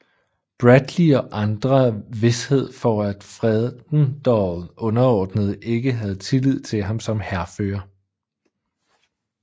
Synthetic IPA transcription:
b̥ʁæd̥liɒ̽ʔɑ̈nd̥ʁɐʋe̝she̝ð̞̰ˠfɒæd̥fʁɛðˠnd̥ɒð̩ˠʔɔ̽nɐɒːd̥nəð̞̩ˠʔe̝ɡ̥əɦæð̞̩ˠt͡sʰe̝lið̰ˠt͡sʰe̝lɦɑ̈msɒ̽mhæɐfø̰ːɐ

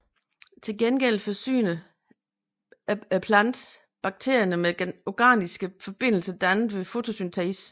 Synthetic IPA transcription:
t͡sʰe̝ɡ̥enɡ̥el̰fɒsy̰ːnə | pʰlænd̥ | b̥ɑ̈ɡ̥̚t͡sʰe̝̰ɐjɐnəme̥ɒɡ̥æ̰ːnisɡ̥əfɒ̽b̥e̝n̰l̩səɐd̥ænð̩ˠʋe̝fo̝t͡sʰo̝synt͡sʰɛis

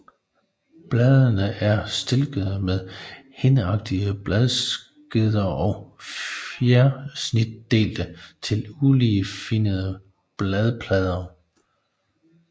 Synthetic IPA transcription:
b̥lɛðˠənəʔæɐsd̥e̝lɡ̥əð̩ˠmeðˠ | henɑ̈ɡ̥̚d̥iəb̥lɛð̞ˠs | ɡ̥eð̰ˠɐʔɒ̽ʊfjæɐsnid̥̚ːe̝̰ːld̥ət͡sʰe̝lulifinəð̞ˠə | b̥lɛð̞ˠpʰlɛð̞ˠɐ

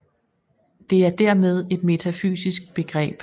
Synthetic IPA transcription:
d̥e̝æɐd̥æɐ̰með̞ˠe̝d̥me̝t͡sʰæfy̰ːsisɡ̥̚b̥e̝ɡ̥ʁɛ̰ːb̥

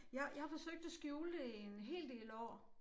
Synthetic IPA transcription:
jɑɪjɑ̈hɑfɒ̽søɡ̥̚d̥æsɡ̥juːlenɦe̝̰ːld̥e̝̰ːlɒ̰ː

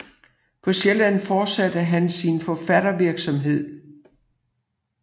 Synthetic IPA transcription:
pʰɒ̽ɕelænfɒːd̥sæd̥əɦænsinfɒfæɾ̥ɐʋiɐɡ̥sɒ̽mɦe̝ð̰ˠ

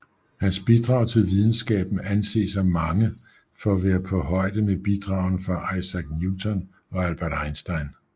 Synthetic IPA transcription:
hænsb̥id̥ʁɑ̈ʊt͡sʰe̝lʋið̞ˠn̩sɡ̥ɛ̰ːb̥n̩ænse̝̰ːsɑɪmɑ̈ŋə | fɒ̽ːʋeːɐpʰɒ̽ɦɒ̽ɪ̰d̥əmeb̥id̥ʁɑ̈ʊnfɑ̈ʔɑ̈ɪsæɡ̥̚njut͡sʰɔn | ɒ̽ælb̥æɐd̥ɑ̈ɪnsd̥ɑ̈ɪn

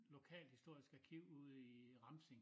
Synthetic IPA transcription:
lo̝kʰɛ̰ːld̥hisd̥o̝ɐ̰isɡ̥ækʰiʊ̰uð̰ˠiʁɑ̈mseŋ

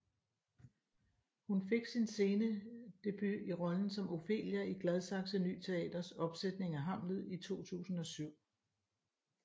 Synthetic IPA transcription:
hunfe̝ɡ̥sinse̝ːnəd̥e̝b̥yiʁɒ̽ln̩sɒ̽mo̝fe̝̰ːljɐiɡ̥lɛð̞ˠsɑ̈ɡ̥səny̰ːt͡sʰe̝ɛ̰ːd̥ɐsɒ̽b̥sed̥ne̝ŋæɦɑ̈m̰lð̩ˠit͡sʰo̝̰ːt͡sʰṵːsn̩ɒ̽syʊ̰

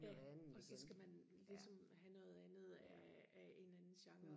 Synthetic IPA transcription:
jænɒ̽sɒ̽sɡ̥æmæn | lisɒm | hænɔ̽ːð̞̩ˠænð̞̩ˠæ | æe̝nænn̩ɕɑ̈ŋɐ

